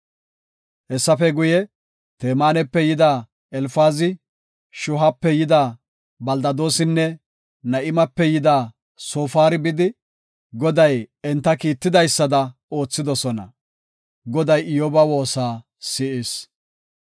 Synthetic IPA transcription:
hɛsːɐfɛɡʊjɛ | t̪eːmaːnɛpːɛjɪd̪aː | ɛlfaːzɪ | ʃʊɦɐpːɛjɪd̪aː | bɐld̪ɐd̪o̞ːsɪnːɛ | nɐʔɪmɐpːɛjɪd̪aː | soːfaːɾɪbɪd̪ɪ | ɡɔd̪ɐjɛnt̪ːɐkiːt̪ːɪd̪ɐjsːɐd̪ɐo̞ːt͡sːɪd̪ɔsɔnɐ̰ | ɡɔd̪ɐjɪjoːbɐwo̞ːsaː | sɪʔɪs

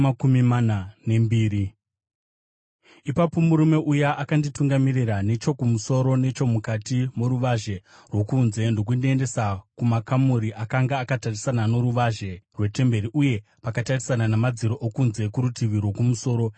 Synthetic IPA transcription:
akumimanane̞mbiːɾi | ipapo̞muɾume̞ʔujaʔakandituŋɡamirirane̞t͡ʃo̞kumuso̞ɾo̞ne̞t͡ʃo̞mukatimoɾuʋaʒe̞ | rwo̞kuːnze̞ndo̞k̬undiende̞sakumakamuɾiʔakaŋɡaːkatarisanano̞ɾuʋaʒe̞rwe̞te̞mbe̞ɾiʔuje̞ | pakatarisananamad͡ziɾoʔokunze̞kuɾutiʋirwo̞kumuso̞ːɾo̞

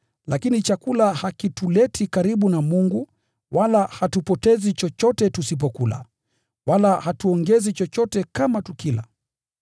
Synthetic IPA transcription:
lakinit͡ʃakulahakitulɛtʰikaɾiɓunamuŋɡu | walahatupɔtɛzit͡ʃɔt͡ʃɔtɛtusip̬ɔkula̰ | walahatuɔŋɡɛzit͡ʃɔt͡ʃɔtɛkamatukila̰

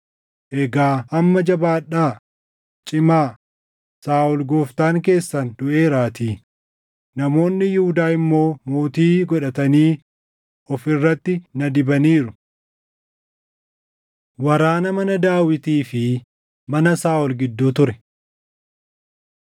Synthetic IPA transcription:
ʔɛɡaːʔɐmːɐd͡ʒɐbaːᶑaː | t͡ʃʼɪmaː | saːʔɔlɡoːft̪aːŋk̬e̞ːsːɐnd̪ʊʔe̞ːɾaːt̪iː | nɐmo̞ːnːɪjʊhʊd̪aːɪmːo̞ːmoːt̪iːɡɔᶑɐt̪ɐniː | ɔfɪrːɐt̪ːɪnɐd̪ɪbɐniːɾʊ | wɐɾaːnɐmɐnɐd̪aːwɪt̪iːfɪ | mɐnɐsaːʔɔlɡɪd̪ːoːt̪ʊɾɛ̥

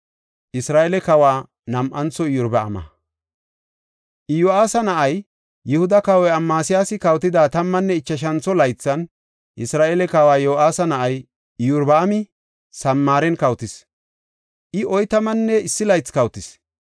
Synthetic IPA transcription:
ʔɪsɾaːʔɛlɛkɐwaː | nɐmʔɐnt͡sɔɪjʊɾbɐ̰ːmɐ̰ | ʔɪjʊaːsɐnɐʔɐjː | ɪhʊd̪ɐkɐwɔjɐmːaːsɪjaːsɪkɐwt̪ɪd̪aːt̪ɐmːɐnːɛɪt͡ʃːɐʃ̬ɐnt͡sɔlɐjt͡sːɐn | ʔɪsɾaːʔɛlɛkɐwaːjoːaːsɐnɐʔɐj | ɪjʊɾbɐːmɪ | sɐmːaːɾɛnkɐwt̪ɪs | ʔɪʔɔjt̪ɐmɐnːɛɪsːɪlɐjt͡skɐwt̪ɪs

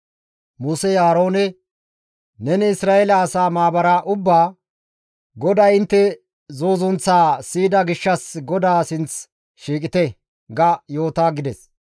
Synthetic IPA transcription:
muːsɛjaːɾo̞ːnɛ | nɛnɪɪsɾaːʔɛlɐːsaːmaːbɐɾaːʔʊbːaː | ɡɔd̪aɪnt̪ːɛ | zo̞ːzʊnt͡sːaːsiːd̪ɐɡɪʃːɐsɡɔd̪aːsɪnt͡s | ʃiːkʼɪt̪ɛ | ɡɐjo̞ːt̪aːɡɪd̪ɛs

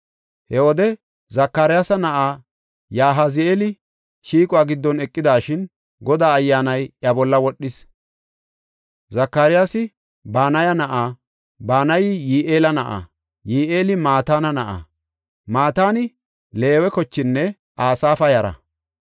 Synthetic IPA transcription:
hɛwɔd̪ɛ | zɐkːaɾɪjaːsɐnɐʔaː | jaːɦɐzɪeːlɪ | ʃiːkʼʊaːɡɪd̪ːɔnɛkʼːɪd̪aːʃɪn | ɡɔd̪aːjːaːnɐjʔɐbɔlːɐwɔɗːɪs | zɐkːaːɾɪjaːsɪ | baːnɐjɐnɐʔaː | baːnɐjɪjiːʔeːlɐnɐʔa̰ː | jiːʔeːlɪmaːt̪aːnɐnɐʔa̰ː | maːt̪aːnɪ | le̞ːwɛkɔt͡ʃːɪnːɛ | ʔaːsaːfɐjɐɾɐ̰

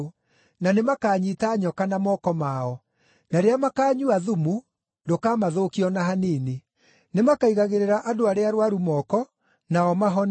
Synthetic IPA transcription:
nanemakaːɲitaɲɔkanamɔkɔmaɔ | naɾeamakaːɲuaðumu | dokaːmaðokiɔnaɦanene | nemakaiɣaɣeɾeɾaʔadoaɾeaɾwaɾumɔkɔ | naɔmaɦɔn

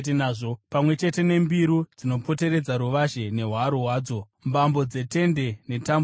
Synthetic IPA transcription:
naːʐopamwe̞t͡ʃe̞te̞ne̞mbiɾud͡zino̞po̞te̞ɾe̞d͡zaɾuʋaʃe̞ne̞ɦwaɾuɦwaːd͡zo̞ | mbambo̞d͡ze̞te̞nde̞ne̞tamb

